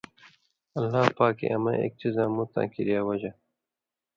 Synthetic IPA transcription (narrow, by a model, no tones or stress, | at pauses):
ɐlːaːpaːkḛʔɐmɐ̰ḛk̚t͡ʃizãːmut̪ã̰ːkiɾjaːwɐd͡ʑa